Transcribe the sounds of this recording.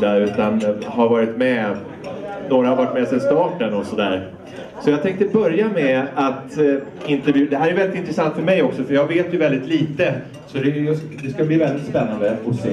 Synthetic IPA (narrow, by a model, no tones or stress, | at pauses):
aʉ̟ːt̪anɦaɾvɑːɾɪt̪mɛ | noːɾahaɾvɑːɾɪʈmɛsɛst̪ɑːʈənɔsɔd̪æ̰ːɾ | sɔjɑːt̪ʰɛŋkt̪əbœɾjamɛat̪ | ɪnt̪ɛɾvjʉ̟ːd̪ɛɦæɾɛjvɛlɪt̪ɪnt̪ɾɛsant̪fœɾmɛjɔksɔfœɾjɑːɡveːt̪jɵvɛld̪ɪt̪liːt̪ə | sɔd̪ɛjsd̪ɛskabliːvɛld̪ɪt̪spɛnːand̪əɔseː